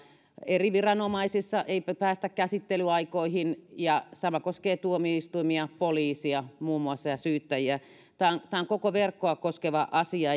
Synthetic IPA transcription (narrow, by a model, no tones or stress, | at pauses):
eriʋirɑnomɑisisːɑʔeippæːst̪ækkæsit̪ːelyɑikoihinjɑsɑmɑkoskeːt̪uomiist̪uimiɑpoliːsiɑmuːmːuɑsːɑjɑsyːt̪ːæjiæ | t̪ɑːŋt̪ɑːŋkokoʋerkːoɑkoskeʋɑʔɑsiɑ